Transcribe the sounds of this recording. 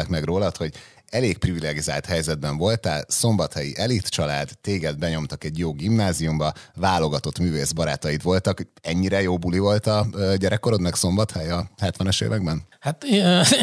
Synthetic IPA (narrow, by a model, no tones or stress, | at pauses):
ɛkmɛɡroːlɒt̪ho̞ɟ | ɛleːk̚privilɛɡizaːlt̪hɛjzɛd̪̚bɛɱvo̞lt̪aːlso̞mbɒt̪hɛjḭʔɛlit̪t͡ʃɒlaːd̪ːeːɡɛd̪̚bɛɲo̞mt̪ɒkɛɟjoːɡimnaːzijumbɒvaːlo̞ɡɒt̪o̞t̪myːveːzbɒɾa̰ːt̪ɒjit̪ʋo̞lt̪ɒkhoɛɲːiɾɛjoːbulivo̞lt̪ɒøːɟɛɾɛkːo̞ɾo̞d̪mɛkso̞mbɒt̪hɛjɒhɛt̪ʋɛnøʃḛːvɛɡbɛnhat̪